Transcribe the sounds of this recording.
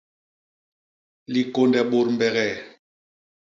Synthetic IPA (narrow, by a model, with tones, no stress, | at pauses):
li˨ko˨ndɛ˨ɓo˨ɾm̩˦bɛ˨ɣɛ˨